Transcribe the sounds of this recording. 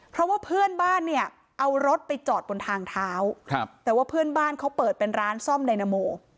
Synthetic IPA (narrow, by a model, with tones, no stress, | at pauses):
pʰɾɔ˦˥waː˥˩pʰɯ˥˩ənbaː˥˩nːi˥˩ə | ʔa˧wɾo˦˥t̪̚pa˧jt͡ɕɔː˨˩t̪̚bo˧nt̪ʰaː˧ŋt̪ʰaː˦˥wkʰt̪ɛː˨˩waː˥˩pʰɯ˥˩ənbaː˥˩nkʰa˦˥wpɤː˨˩t̪̚pe˧nɾaː˦˥nsɔ˥˩mda˧jna˧˥moː˧